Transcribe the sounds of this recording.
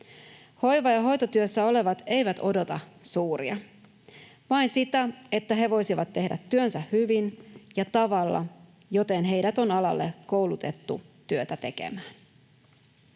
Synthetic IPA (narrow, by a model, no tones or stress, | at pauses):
ho̞jʋɑjɑɦo̞jt̪ot̪yøsːæo̞le̞ʋɑt̪e̞jʋæt̪o̞do̞t̪ɑsuːɾiɑ | ʋɑinsit̪æe̞t̪ːæɦeʋo̞jsiʋɑt̪ːe̞hdæ̰t̪ːyønsæhhyʋinjɑt̪ɑʋɑlːɑ̰ | jo̞t̪e̞nɦe̞jdæt̪o̞nɑlɑ̰lːe̞kowlut̪e̞t̪ːṵt̪yøt̪æt̪e̞kḛmæːn